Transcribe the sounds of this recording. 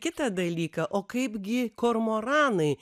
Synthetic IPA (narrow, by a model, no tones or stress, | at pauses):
kʲɪt̪ɐd̪ɐlʲiːkɐʔoːkɐɪpɡʲɪkoːɾmoːɾɑːnɐɪ